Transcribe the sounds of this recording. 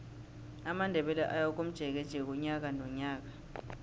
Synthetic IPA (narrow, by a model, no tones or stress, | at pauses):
amandʱɛɓɛlɛ̰ʔajak̬ʼom̩d̥ʒ̥ʱɛk̬ɛd̥ʒ̥ʱɛk̬ɔɲak̬anɔɲaːk̬a